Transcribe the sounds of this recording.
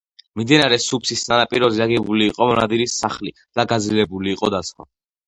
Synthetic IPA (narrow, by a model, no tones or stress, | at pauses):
mimd̪inaɾɛsupʰsisnanapʼiɾɔziaɡɛbuliːqʼɔmɔnad̪iɾisaχli | d̪̥aɡad̪zlilɛbuliːqʼɔd̪asχwa̰